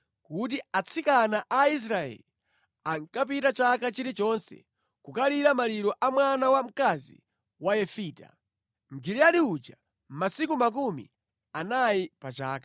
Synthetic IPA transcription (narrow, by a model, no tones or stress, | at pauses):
kut̬iat͡sʰikanaʔais̬ɾaɛ̰li | aŋkap̬itat͡ʃakat͡ʃiɾit͡ʃɔnsɛ̰ | kukaliɾamaliɾɔʔamwanawam̩kazḭ | wajɛfiːta̰ | m̩ɡiliaɗiud͡ʒa | m̩masikumak̬umḭ | anajipat͡ʃa̰ːkḁ